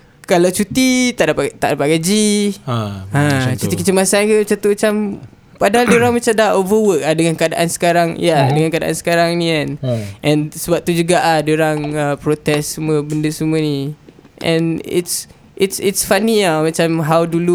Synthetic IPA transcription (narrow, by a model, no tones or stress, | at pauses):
kalawt͡ʃut̪it̪aʔdapat̪aʔdapat̪̚kad͡ʒi | ãt͡ʃt͡ʃut̪ikət͡ʃəmasank̪umat͡ʃat̪umat͡ʃam | padaɦaldəɾaŋmat͡ʃamdaʔovəwək̚ladəŋankəada̰ʔansə̥kaɾaŋjadəŋankəada̰ʔa̰nsə̥kaɾaŋnĩanʔɛ̃nsəbap̚t̪ud͡ʒuɡaʔadəɾaŋəpɾot̪ɛsːəmuəbəndəsəməni | ʔʔɛ̰̃nḭts | ʔitsitsfaniamat͡ʃamɦawdulu